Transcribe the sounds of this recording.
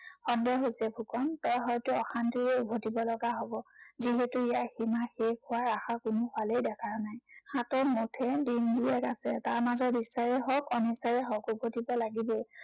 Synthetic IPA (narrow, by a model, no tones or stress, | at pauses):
xɔndjɔɦojsɛbʱukɔntɔjɦɔjtʊɔxantijɛubʱotibɔlɔɡaɦobɔziɦɛtʊijaximaxekʊwaɹaxakʊnʊxalejdɛkʰaɹnajxatɔmotʰɛdindiɛkasɛ̰taɹmazɔtisajɛɦɔkɔnisajɛɦɔkubʱotibɔlaɡibe